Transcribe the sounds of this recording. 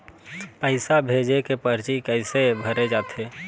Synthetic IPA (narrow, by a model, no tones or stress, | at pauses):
pəɪsabʱed͡ʒekepəɾt͡ʃikəɪsebʱəɾed͡ʒat̪ʰe